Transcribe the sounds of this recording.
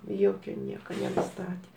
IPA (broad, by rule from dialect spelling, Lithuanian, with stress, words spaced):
ˈjoːkʲʊ ˈnʲiɛkɐ nʲɛnʊˈstɑːtʲeː